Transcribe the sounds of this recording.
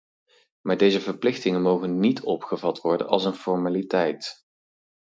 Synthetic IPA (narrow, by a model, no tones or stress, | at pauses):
maːɹdejzəvəɹplɪχtɪŋənmowɣənːitʰɔpχəvɑtʋɔɹdə̰nɑ̰lˠsənfɔɹmaːlitɛjt